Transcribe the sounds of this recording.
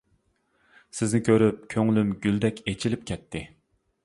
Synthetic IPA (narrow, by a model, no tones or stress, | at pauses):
sɪznɪkʲʰøɾyp̚kʲʰøŋlymɡʲyld̪ɛkʲʰet͡ʃʰilɪp̚kʲʰɛt̪ʰːɪ